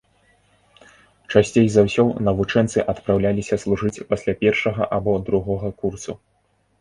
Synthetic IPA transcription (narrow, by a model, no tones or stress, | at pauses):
t͡ʂasʲt͡sʲejzawsʲɔwnɐvut͡ʂɛnt̪sɨʔɐt̪pɾawlʲalʲisʲɐslˠuʐɨt͡sʲpasʲlʲapʲɛrʂɐɣɐʔabɔd̪ɾuɣɔɣɐkursu